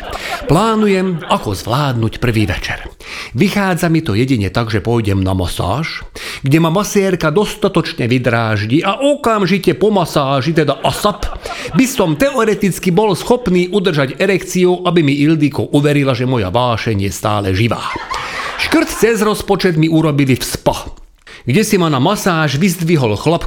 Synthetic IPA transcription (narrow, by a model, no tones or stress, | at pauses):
plaːnujɛmakɔzʋlaːd̪nucpr̩ʋiːʋɛ̰t͡ʃɛɾ | ʋixaːd͡zamit̪ɔjɛɟiɲɛt̪aɡʒɛpɔjɟɛmna̰mɔ̰sa̰ːʃɡɟɛmamasɪɛːɾkad̪ɔst̪at̪ɔt͡ʃɲɛʋid̪ɾaːʒɟiʔaʔɔkamʒicɛpɔmasaːʒit̪ɛd̪aʔasapbisɔmt̪ɛɔɾɛt̪it͡skibɔlsxɔpniːʔud̪r̩ʒaɟɛɾɛkt͡siuʔabimiild̪ikɔʔuʋɛɾilaʒɛmɔja̰ʋaːʃɛɲjɛst̪aːlɛʒiʋa̰ːʃkr̩t̪t͡sɛzɾɔspɔt͡ʃɛd̪miuɾɔbilifspa | ɡɟɛsimanamasaːʒʋizd̪ʋiɦɔlxlap